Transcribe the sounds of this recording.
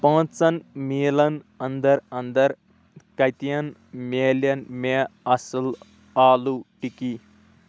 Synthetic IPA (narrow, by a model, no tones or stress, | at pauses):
pɐ̃ːt͡sɐnmiːlɐn | ɐnd̪ɐɾɐnd̪ɐɾ | kɐjt̪ijɐnmeːljɐnmeɐsil | aːluʈiki